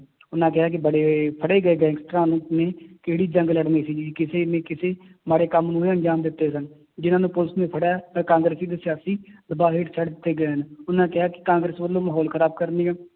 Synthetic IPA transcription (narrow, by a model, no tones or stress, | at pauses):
ʊnãːkɪɦaːk̬ɪbəɽeːpʰəɽeːɡəeːɡɛ̃ːŋɡsʈɾãːnũːnẽːkeːɽiːd͡ʒəŋɡləɽnẽːsiːd͡ʒiːkɪseːnẽːkɪseːmaːɽeːkəmnũːeənd͡ʒaːmd̪ɪt̪ːeːsən | d͡ʒɪnãːnũːpʊləsmẽːpʰəɽaːkãːŋɡɾəsiːd̪eːsɪjaːsiːd̪əbaːɦeːʈt͡ʃʰəɽd̪ɪt̪ːeːɡəeːənʊnãːkɪɦaːkɪ̥kãːŋɡɾəsʋəlːõːməɦɔːlkʰəɾaːb̚kəɾneːɡə